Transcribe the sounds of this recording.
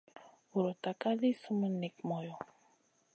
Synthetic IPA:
u˨ɾɔ˨ta˨ka˦li˦su˦mə˦ni˨kmɔ˨jɔ˨

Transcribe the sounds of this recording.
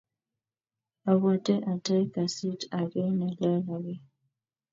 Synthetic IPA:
a˨wɔ˨tɛ˦ʔa˨tɛ˦ka˨si˦ta˨ɡɛ˦na˨lɛ˦la˨ɡɛ˦

